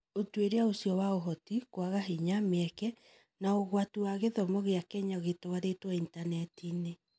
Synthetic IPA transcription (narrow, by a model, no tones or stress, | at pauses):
otweɾeaosiɔwaoɦɔtikwaɣaɦiɲamɛkɛ | naoɣwatuwaɣeðɔmɔɣeakɛɲaɣetowaɾetwaintanɛtine